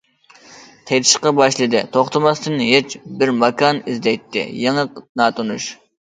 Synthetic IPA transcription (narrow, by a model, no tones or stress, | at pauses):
t̪ʰɛjt̪ʰɪ̥ʃqɑbɑʃlˠɨd̪ɪt̪ʰoχt̪ʰɨmɑst̪ɨnɦet͡ʃbɪɾmɑkʰɑnizd̪ɛjt̪ʰːɪ̰jeŋəqnɑːt̪ʰonuʃ